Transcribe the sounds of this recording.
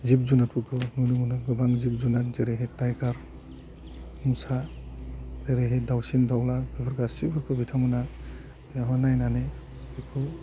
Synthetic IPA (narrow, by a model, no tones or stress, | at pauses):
zib̚zunat̚bukʰɯmunumunɯɡɯbaŋzib̚zunat̚zeɾeɦetajkaɾ | musa | zeɾeɦedawsindɔwlabibʰɔɾɡasibʰɔɾkʰɔbitʰamɔna | aɦɔnajnane | ikʰɔ